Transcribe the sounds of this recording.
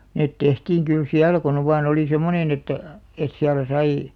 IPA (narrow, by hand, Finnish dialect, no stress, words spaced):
net tehtiːŋ kyl siælæ kon oʋ ʋɑːn oli semonen etːæ̆ et siælæ sɑi